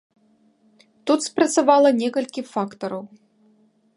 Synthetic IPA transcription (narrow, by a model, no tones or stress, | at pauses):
t̪ut̪spɾɐt̪savalˠɐnʲɛkɐlʲkʲifakt̪ɐɾɐw